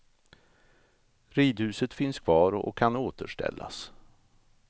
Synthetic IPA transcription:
ɾiːd̪hʉ̟ːsət̪fɪnskʰvɑːɾɔ̰kʰːanoːt̪əʂʈɛ̰lːas

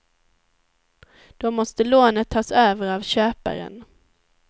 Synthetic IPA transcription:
d̪̥ɔmɔst̪əloːnət̪ʰːɑːsøːvəɾavɕøːpa̰ɾə̰n

